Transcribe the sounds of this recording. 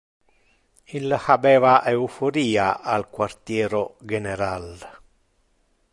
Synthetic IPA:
ilhabɛːvaʔeufoɾiːaʔalkwart̪jɛːɾoɡɛneɾal

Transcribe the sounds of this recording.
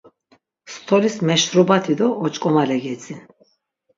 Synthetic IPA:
st̪ʰɔlismɛʃɾubat̪ʰid̪ɔːt͡ʃʼkʼɔmalɛɡɛt͡s̪ʼi

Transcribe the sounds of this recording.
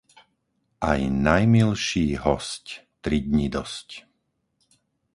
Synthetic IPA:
ʔa̰jnajmilʃiːɦɔsct̪ɾiɟɲid̪ɔsc

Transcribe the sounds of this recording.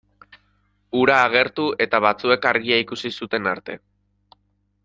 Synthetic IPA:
uɾaːɣ̞e̞ɾt̪ue̞t̪aβat͡sue̞kaɾɣiaikusisut̪e̞naɾt̪e̞

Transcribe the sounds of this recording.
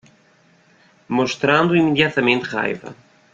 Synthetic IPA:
moʃt̪ɾãnd̪ʊimeðjat̪ɐmẽnt̪ʁa̰jvɐ̰

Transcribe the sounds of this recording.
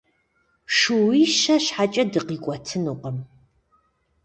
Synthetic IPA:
ʂuwiːʃɐɕħat͡ʃʼɐdɨqiːkʷʼɔtʰɨnuːqəm

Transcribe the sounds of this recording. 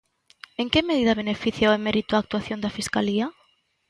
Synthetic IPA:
eŋkɪmeð̞iðɐβ̞enefiθjaoemeɾit̪ʊaːk̚t̪waθjõnd̪ɐfiskalia

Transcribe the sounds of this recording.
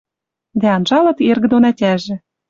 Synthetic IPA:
d̪æɑnʒɑlˠɤ̆t̪erɣɘ̆d̪onætʲæʒĕ

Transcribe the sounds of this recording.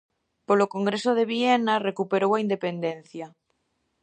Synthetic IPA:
polokoŋɡɾesoð̞eβ̞ienarekupeɾowaind̪epend̪ẽnθja

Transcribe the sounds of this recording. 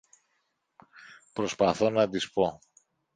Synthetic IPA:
pɾo̞spɐθo̞nɐt̪ispo̞

